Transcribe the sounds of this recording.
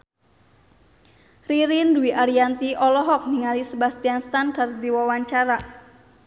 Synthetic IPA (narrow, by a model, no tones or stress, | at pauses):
riɾinduiʔaɾiant̪iʔɔlɔɦɔk̚niŋalisəbast̪ianst̪ankardiwawaɲt͡ʃaɾa